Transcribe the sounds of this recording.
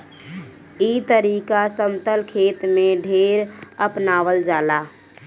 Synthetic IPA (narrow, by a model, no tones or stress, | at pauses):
it̪əɾiːkasəmt̪əlkʰeːt̪mẽɖʱeːɾəpnaːʋəld͡ʒaːla